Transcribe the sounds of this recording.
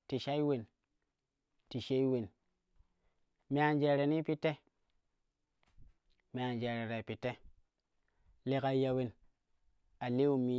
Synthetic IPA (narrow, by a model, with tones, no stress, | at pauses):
ti˨ʃa˦i˦we˨n | ti˨ʃe˦i˦we˨n | me˨a˨nd͡ʒe˨ɾe˨ni˦pi˦tːe˦ | me˨a˨nd͡ʒe˨ɾe˨ɾe˨pi˨tːe˦ | le˦ka˦ja˦we˦n | a˨le˦u˦˨mi˨˦